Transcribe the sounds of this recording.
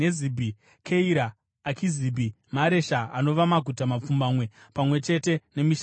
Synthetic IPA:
ezibʱi | kʰeiɾaː | kʰiziːbʱi | maɾe̞ʃaano̞ʋamaɡʱutamap͡fumbaːmwe̞pamwe̞t͡ʃe̞te̞ne̞miʃ

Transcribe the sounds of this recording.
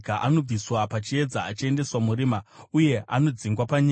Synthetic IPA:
kaʔano̞b͡viswapat͡ʃie̞d͡zaːt͡ʃie̞nde̞swamuɾiːmauje̞a̰no̞d͡ziŋɡwapaɲa

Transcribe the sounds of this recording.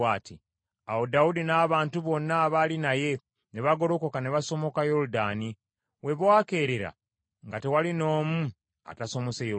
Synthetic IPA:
aːti | awodaudinaːβaːntuβo̞nːaːβalinaje̞ | ne̞βaɡo̞ɾo̞ko̞kane̞βaso̞mo̞kajo̞ɾudaːni | we̞βwaːke̞ːɾeɾa̰ | ŋɡate̞walino̞ːmu | a̰taso̞mo̞sejo

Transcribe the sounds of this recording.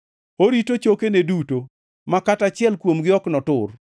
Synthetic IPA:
oɾitot͡ʃokeneduto | makatat͡ʃɪɛlkwomɡɪɔknɔtʊr

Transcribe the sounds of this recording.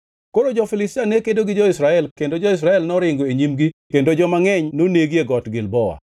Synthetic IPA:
koɾod͡ʒɔfɪlɪstɪanekedoɡɪd͡ʒɔɪsɾaɛlkendod͡ʒɔɪs̬ɾaɛlnɔɾɪŋɡoeɲimɡikendod͡ʒɔmaŋɛɲnoneɡjeɡɔtɡɪlbɔwa̰

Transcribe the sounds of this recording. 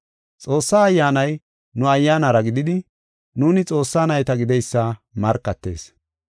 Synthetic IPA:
t͡sʼo̞ːsːaːjːaːnɐj | nʊɐjːaːnɐɾɐɡɪd̪ɪd̪ɪ | nuːnɪt͡sʼo̞ːsːaːnɐjt̪ɐɡɪd̪ɛjsːɐmɐɾkːɐt̪ːe̞̰ːs

